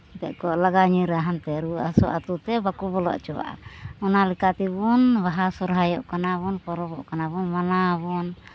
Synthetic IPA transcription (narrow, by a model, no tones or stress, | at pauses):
t̪ɛʔkɔlaɡaɲiɾaɦant̪ɛɾuasɔʔat̪ut̪ɛbakubɔlɔa̰ʔt͡ʃɔa̰ʔɔnalikat̪ibunβaɦasɔɾɦajɔʔkanaβunpɔɾɔbɔʔkanaβunmanabɔn